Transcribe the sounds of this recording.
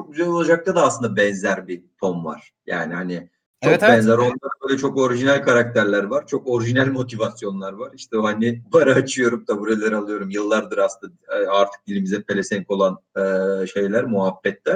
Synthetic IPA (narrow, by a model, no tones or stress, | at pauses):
t͡ʃʰok̚byzɛlʲo̞lˠad͡ʒak̚t̪ʰad̪aːslˠɯnd̪abɛnzæɾbit̪ʰo̞mva̰ɾ̥ja̰ːnihanɪ | t͡ʃʰok̚bɛnzæɾo̞nlˠaɾbøjlʲɛt͡ʃʰo̞ko̞ɾiʒinælʲkʰaɾak̚t̪ʰæɾlʲæɾvaɾ̥t͡ʃʰo̞ko̞ɾiʒinælʲmo̞t̪ʰivasjo̞nlˠaɾvaɾiʃt̪ʰɛhanɪbaɾaːt͡ʃʰɯjo̞ɾumd̪abuɾalʲˠeɾalˠɯjo̞ɾumjɯlˠːaɾd̪ɯɾasɯnd̪aaɾt̪ʰɯ̥k̚ilʲimizɛpʰelʲesɛnko̞lˠanɯʃe̞jlʲæɾmuɦabːɛt̪ːɛ